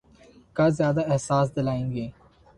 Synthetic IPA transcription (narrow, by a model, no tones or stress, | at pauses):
kazjaːd̪aɪhsaːs̬d̪ɪlaːẽːŋɡeː